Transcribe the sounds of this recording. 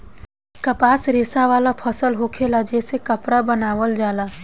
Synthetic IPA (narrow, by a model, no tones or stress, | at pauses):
kəpaːsɾeːsaʋaːlapʰəsəlɦoːkʰelad͡ʒeːsekəpɽabənaːʋəld͡ʒaːlaː